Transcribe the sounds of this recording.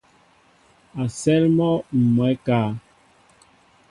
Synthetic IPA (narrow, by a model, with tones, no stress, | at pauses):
a˨sɛ˦lmɔ˦m̩˨mwɛ˨˦kaː˦